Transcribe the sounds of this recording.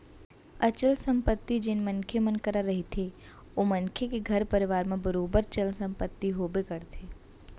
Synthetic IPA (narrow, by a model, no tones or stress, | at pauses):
ɐt͡ʃəlsə̃mpət̪ːid͡ʒɪnmənkʰemənkəɾaɾɐɦit̪ʰe | ʋomənkʰekeɡʱɐɾpəɾɪʋaːɾmẽbəɾoːbəɾt͡ʃəlsə̃mpət̪ːiɦoːbekəɾt̪ʰeː